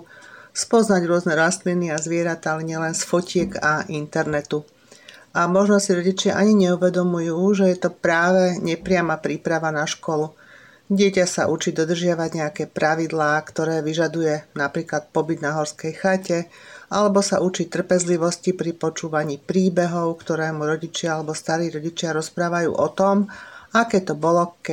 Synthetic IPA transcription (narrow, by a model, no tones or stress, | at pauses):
spɔznaɟɾʊɔznɛɾast̪liniazʋɪɛɾat̪aalɛɲɪɛlɛnsfɔcɪɛɡaʔint̪ɛɾnɛt̪u | amɔʒnɔsiɾɔɟit͡ʃɪaʔaɲiɲɛuʋɛd̪ɔmujuːʒɛjɛt̪ɔpɾaːʋɛɲɛpɾɪamapɾiːpɾaʋanaʃkɔlu | ɟɪɛcasaʔut͡ʃid̪ɔd̪r̩ʒɪaʋaɟɲɛakɛːpɾaʋid̪laːkt̪ɔɾɛːʋiʒad̪ujɛnapɾiːklat̪̚pɔbid̪naɦɔɾskɛjxacɛ | ʔalɛbɔsa̰ʔut͡ʃiːt̪r̩pɛzliʋɔscipɾipɔt͡ʃuːʋaɲiːpɾiːbɛɦɔʊkt̪ɔɾɛːmuɾɔɟit͡ʃɪaalɛbɔst̪aɾiːɾɔɟit͡ʃɪaɾɔspɾaːʋajṵːʔɔt̪ɔmakɛːt̪ɔbɔlɔkɛ